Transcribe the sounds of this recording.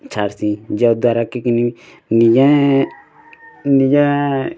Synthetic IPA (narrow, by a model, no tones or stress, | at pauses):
t͡ʃʰaɾsĩd͡ʒad̪aɾakikinimi | nijã | nijã